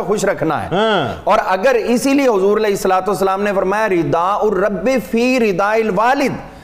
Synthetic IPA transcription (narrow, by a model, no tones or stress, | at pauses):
xʊʃɾɐkʰna̰ɦɛ̰ːɔːɾɐɡəɾɪsilieɦʊzuːɾɐleːɪsːəlaːt̪uəsːəlaːmnefɐɾmaːjaɾɪd̪aːʊɾːɐbːefʰiːɾɪd̪aːɪlʋaːlɪd̪